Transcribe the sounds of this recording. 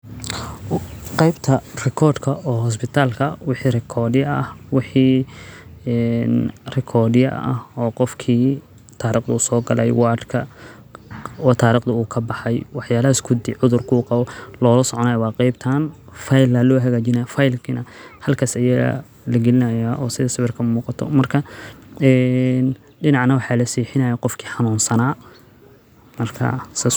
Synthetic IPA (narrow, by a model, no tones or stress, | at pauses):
qɑjbt̪ʰɐrɛkʰɔːd̪kʰɐʔɔːhɔs̬bɪt̪ʰaːlkʰɐwɪħiːrɪkʰɔːdɪjɐɐ̰hwɪħiː | ɛnrɪkʰɔːdjɐ̰ʔʔɐ̰hɔːqɔfkʰiː | t̪ʰaːɾiːqd̪ɐuːsɔːɡɐlɛ̰jwɑːd̪kʰɐ | ɔːt̪ʰaːɾiːqd̪ʊuːkʰɐbɑħɑjwɑħjaːlɐɦɪskʰʊd̪ɪʕʊðʊrkʰuːqɑβɔlɔːlɐsɔʕɔnaːjwɑːqɑjbt̪ʰaːnfɑjlɐlɔːɦɐɣaːt͡ʃɪnɐjafajlkʰinɐhɐlkʰaːsɐjɐɣɐ̰ | lɐɡɛlɪnɐjaːʔɔːsɪðɐsɪβɪrkʰɐmuːqɑt̪ʰɔ̰mɐrkʰɐɛːn | ɖɪnɑʕnɐwɑħɑːlɐsiːħɪnɐjaqɔfkʰi̥ːħɑnuːnsɐnaː | mɐrkʰɐ̰sɐ